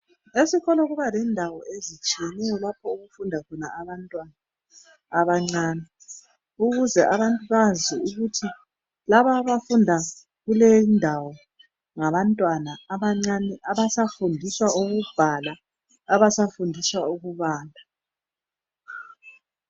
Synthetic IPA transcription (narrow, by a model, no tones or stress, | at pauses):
esikɔlɔɣuβalɛndʱawɔʔezit͡ʃʼienijɔlapʰɔuɣufundʱakɔna̰aβantʼwanaː | βaŋ͡ǀaːni | uɣuzɛʔaβantʼuβaziuɣutʰi | laβaβafundʱa | ɣulejindʱawɔ | ŋaβantʼwanaːβaŋ͡ǀanɛʔaβasafundʱiswaʔuɣub̥ʱalaː | βasafundʱiswauɣuβaːndʱa